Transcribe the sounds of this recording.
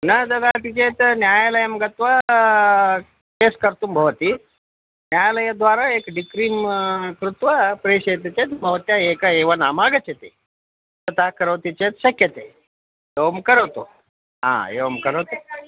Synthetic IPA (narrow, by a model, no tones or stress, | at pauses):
nɐd͡z̪ɐd̪at̪it͡ɕet̪njajləjəmɡət̪ʋə | keskəɾt̪uːmbʱɐʋt̪iː | njajaləjad̪ʋaɾaekɖikɾiːmkɾut̪ʋəpɾeɕejt̪it͡ɕet̪bʱəʋt̪jaekəeʋənamaɡət͡ɕet̪ḛ | t̪ət̪akəɾəʋt̪it͡ɕet̪ɕɐkjət̪ḛ | jeʋmkəɾət̪o | ɦã̰ḛʋmkəɾət̪o